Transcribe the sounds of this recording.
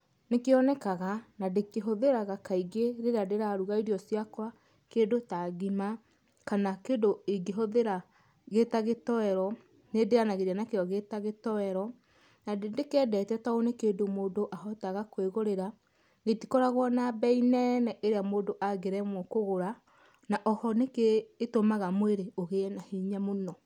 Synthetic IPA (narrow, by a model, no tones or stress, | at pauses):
nekeɔnɛkaɣanadekeɦoðeɾaɣakaiɡeɾeɾadeɾaɾuɣaiɾiɔsjakwa | kendotaɣima | kanakedoeɡeɦoðeɾa | ɣetaɣetɔɛɾɔ | nedeanaɣeɾanakeɔɣetaɣetɔɛɾɔ | nadendekɛːdɛtɛtaonekeːdomoːdoʔaɦɔtaɣakweɣoɾeɾa | ɣetikɔɾaɣwɔnabɛinɛnɛʔeɾeamoːdoʔaɡeɾɛmwɔkoɣoɾa | naʔɔhɔnekeːtomaɣamweɾeoɣenahiɲamonɔ